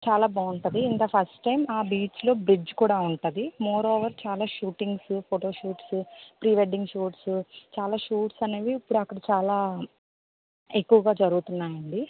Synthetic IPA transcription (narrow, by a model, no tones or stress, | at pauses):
t͡ʃaːlaːbaːuɳʈud̪iind̪ɐpʰɐsʈʈɐjmaːbiːt͡ʃlo̞ːbɾid͡ʒkuːɽaːuɳʈud̪imɔːɾoːʋɐɾt͡ʃaːlaːʃuːʈiŋɡspʰoʈo̞ːʃuːʈspɾiːʋeɖiŋɡʃuːʈst͡ʃaːlaːʃuːʈsɐne̞ːʋiːpːuɽuɐkːɐɽɐt͡ʃaːlaː | ekːuʋɐɡaːd͡ʒɐɾuɡut̪unːaːjɐɳɖi